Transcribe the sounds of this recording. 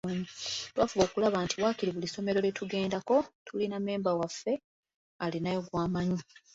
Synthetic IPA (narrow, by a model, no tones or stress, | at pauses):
ɲtwaːfuβo̞ːkulaβaːntʰiβwaːkiɾiβuliso̞me̞ɾo̞letuɡe̞ːndako̞tʰuliname̞ːmbawafːe̞ | alinajoɡwaːmaɲi